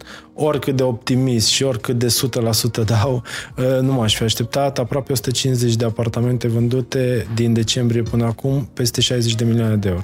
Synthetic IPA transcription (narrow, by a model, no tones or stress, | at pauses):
o̞rʲkɨt̪̚d̪e̞o̞p̚t̪imist̪ʃio̞rʲkɨt̪̚d̪e̞sut̪əlasut̪əd̪awənumaʃfiaʃt̪e̞p̚t̪at̪apɾoapeo̞su̥t̪ət͡ʃinsze̞t͡ʃʲd̪e̞apart̪ame̞nt̪e̞vɨnd̪ut̪e̞d̪ind̪e̞t͡ʃe̞mbɾije̞pɨnəakumpe̞st̪e̞ʃajze̞t͡ʃʲd̪e̞milioane̞d̪eeoɾo